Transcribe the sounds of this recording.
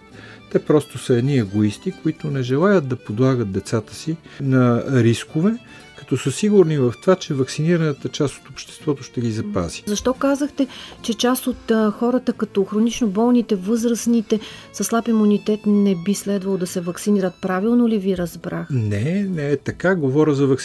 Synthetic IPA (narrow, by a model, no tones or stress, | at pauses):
t̪ɛpɾɔst̪osəɛd̪niɛɡoist̪ikoit̪ʊnɛʒɛlˠajət̪̚d̪ɐpod̪lˠaɡət̪̚d̪ɛt̪sat̪ə̥sinɐɾiskovɛ | kɐ̥t̪ɔsəsiɡʊɾnivɐft̪ovat͡ʃɛvɐksiniɾənət̪ət͡ʃast̪o̥t̪opʃt̪ɛst̪vɔt̪oʃt̪ɛɡizɐpa̰zi̥zɐʃt̪ɔkazəxt̪ɛt͡ʃɛt͡ʃast̪ot̪xɔɾət̪əkɐt̪ɔxɾonit͡ʃnobɔlˠnit̪ɛvɤzɾəsnit̪ɛsɐslˠapimunit̪ɛt̪nɛbislɛd̪vɐlˠod̪ɐsɛvɐksiniɾət̪̚pɾavilˠnoliviɾɐzbɾaxnɛnɛɛt̪ɐkaɡovɔɾʲəzɐvɐks